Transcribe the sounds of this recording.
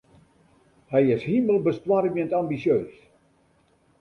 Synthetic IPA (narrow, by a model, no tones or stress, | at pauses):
hɛjɪshiməlˠbəstwaɾəʋiəntambisjøːs